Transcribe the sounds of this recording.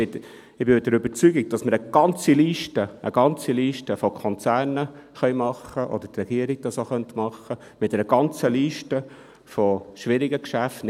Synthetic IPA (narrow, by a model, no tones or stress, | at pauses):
ɪ | ɪbɪmdəɾʏbəɾt͡syɡiɡ̚d̥ɑsməɾəɡ̥ɑnt͡siliːʃtəʔə̰ɡ̥ɑnt͡siliːʃtəfɔkʰɔnt͡sæːɾnəχœʏmɑχːəʔɔ̰d̥ətrɛɡ̥iəɾiɡ̥̚d̥ɑsoχœntmɑχːə | mɪtdɛɾəɡ̥ɑnt͡səliːʃtə | fɔʃʋɪɾiɡəkʃæftn